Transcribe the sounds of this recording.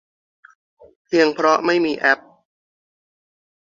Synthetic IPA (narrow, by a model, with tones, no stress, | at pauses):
pʰi˧əŋpʰɾɔ˦˥ma˥˩jmiː˧ʔɛ˦˥p̚